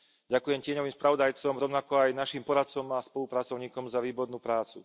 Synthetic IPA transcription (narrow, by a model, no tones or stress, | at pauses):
ɟakujɛmcɪɛɲɔʋiːmspɾaʋɔd̪ajt͡sɔmɾɔʊnakɔajnaʃiːmpɔɾat̪t͡sɔmaspɔlupɾat͡sɔʊɲiːkɔmzaʋiːbɔɾnuːpɾaːt͡sṵ